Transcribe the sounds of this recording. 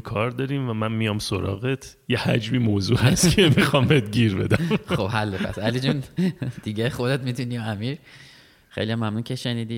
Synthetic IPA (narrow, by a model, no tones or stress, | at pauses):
kʰɒːɾd̪ɒːɾiːmvæmænmijɒːmsoɾɒ̰ːɣet̪ʰjehæd͡ʒmiːmoːzuːhæst̪kʰemixɒmbet̪ɟiːɾbe̞̰d̪æmχobhælːepʰæ̰sælid͡ʒund̥̪iɟexo̞d̪et̪̚mit̪unimæmiɾ | xejlijæmːæmnuncʰeʃeniːd̪iː